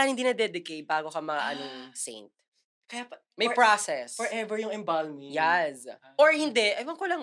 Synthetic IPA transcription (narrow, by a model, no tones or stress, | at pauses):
anhɪnd̪iːnɐd̪ɛd̪ɪkejt̪̚baːɡokɐmɐʔɐnosḛjnt̪̚ | kɐja | mɐjpɹasɛsfɔɹɛvɛɹjʊŋɛmbalmijɛsʔoɹhɪnd̪ɛʔɐjmɐŋkolɐŋ